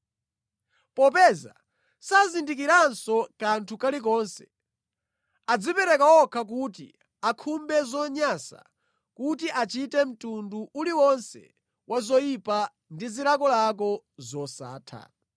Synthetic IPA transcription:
pɔpɛza̰ | sazindik̬iɾansɔkantʰukalik̬ɔːnsɛ̥ | ad͡zipɛɾɛkawɔkʰak̬utḭ | akʰumbɛzɔɲasa̰ | kutiʔat͡ʃitɛm̩tunduʔuliwɔnsɛ̰ | wʔazɔjipa | ndiziɾakɔlak̬ɔ | zɔsa̰ːtʰa̰

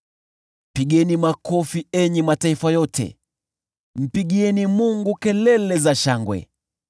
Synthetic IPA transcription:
m̩piɠɛnimakɔfiɛɲɛmataifajɔtʰɛ̰ | m̩piɠiɛnimuŋɡukɛlɛlɛzaʃaŋɡwɛ̰

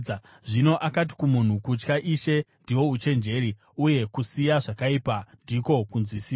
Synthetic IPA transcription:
ʐino̞ʔakat̬i̥kumun̤ukut͡ʃkaʔiʃe̞ndiwo̞ut͡ʃe̞nd͡ʒe̞ɾi | uje̞kusijaʐakaipandiko̞kunzwisia

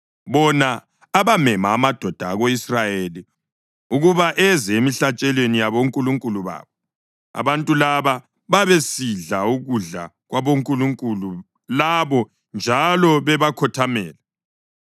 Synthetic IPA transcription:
βɔnaː | βamɛmaːmad̥ʱɔd̥ʱaːɣoisrajeli | uɣuβaʔɛzɛemiɬat͡ʃʼɛlwenijaβoŋkʼuluŋkʼuluβa̰ːβɔ | a̰βantʼulaβa | βaβesiɮauɣuɮa̰ | ɣwaβoŋkʼuluŋkʼulu | laβɔ | nd͡ʒʱalɔβɛβakʰɔtʰamɛːlɛ

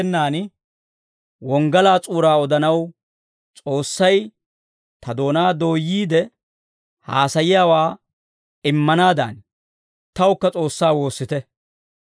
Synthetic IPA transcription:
nːaːn | wɔŋɡɐlaːt͡sʼuːɾaːɔd̪ɐnɐw | t͡sʼo̞ːsːɐj | t̪ɐd̪o̞ːnaːd̪o̞ːjːiːd̪ɛ | haːsɐjɪjaːwaː | ɪmːɐnaːd̪a̰ːn | t̪ɐwʊkːɐt͡sʼo̞ːsːaːwo̞ːsːɪt̪ɛ

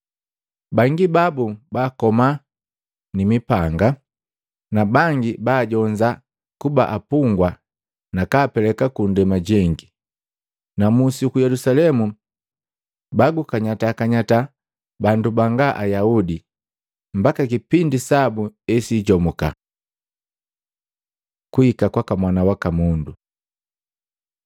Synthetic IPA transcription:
baŋɡibabubaːkɔma | nimipaŋɡa | nabaŋɡibaːɟɔɲd͡ʒa | kuba̰ʔapuŋɡwa | nakaːpɛlɛkakundɛmaɟɛŋɡi | namusikujɛlusalɛmu | baɡukaɲataːkaɲata | bandubaŋɡaʔajaudi | mbakakipindisabuɛsiɟɔmuka̰ | kuikakwakamwanawakamundu

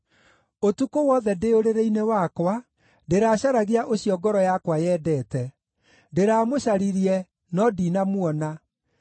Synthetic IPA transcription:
otukowɔðɛdeoɾeɾeinewakwa | deɾaːɕaɾaɣeaʔoɕijɔɡɔɾɔjakwajɛːdɛːtɛ | deɾaːmoɕaɾiɾiɛ | nɔdinamwɔna

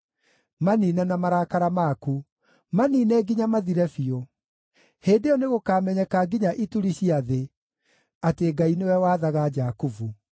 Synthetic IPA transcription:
maniːnɛnamaɾakaɾamaku | maniːnɛɡiɲamaðiɾɛfio | heːndeɔneɣokaːmɛɲɛkaɡiɲaʔituɾiɕiaðe | ateɡainewɛwaːðaɣad͡ʒakuvu

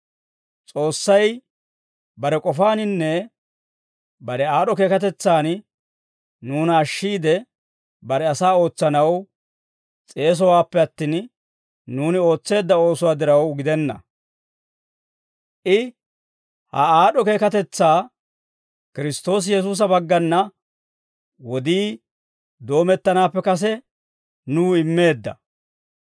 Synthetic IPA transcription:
t͡sʼo̞ːsːɐj | bɐɾɛkʼɔfaːnɪnːɛ | bɐɾɛaːɗɔke̞ːkɐt̪̬ɛt͡sːaːn | nuːnɐːʃːiːd̪ɛ | bɐɾɛɐsaːo̞ːt͡sːɐnɐw | t͡sʼe̞ːs̬ɔwaːpːɛɐt̪ːiːn | nuːnɪo̞ːt͡sːe̞ːd̪ːɐo̞ːsʊwaːd̪ɪɾɐwɡɪd̪ɛnːɐ̰ | ʔɪ | hɐ̰aːɗɔke̞ːkɐt̪ɛt͡sːaː | kɪɾɪst̪o̞ːs̬jɛs̬uːs̬ɐbɐɡːɐnːɐ | wɔd̪iː | d̪o̞ːmɛt̪ːɐnaːpːɛkɐs̬ɛ | nuːɪmːe̞ːd̪ːɐ̰

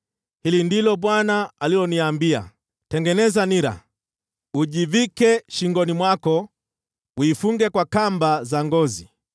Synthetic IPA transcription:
hilindilɔɓwanaalilɔniambia̰ | tɛŋɡɛnɛzaniɾa̰ | uʄivikɛʃiŋɡɔnimwakɔ | uifuŋɡɛkwakambazaŋɡɔzi

